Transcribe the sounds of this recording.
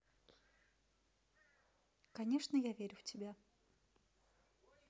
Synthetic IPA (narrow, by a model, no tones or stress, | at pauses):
kɐnʲeʂnəjavʲeɾʲʊftʲɪbʲa